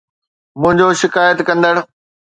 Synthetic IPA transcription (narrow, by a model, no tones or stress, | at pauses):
mʊ̃ɦɪ̃ɲd͡ʑoʃɪkaːjət̪kɐ̃nd̪əɽ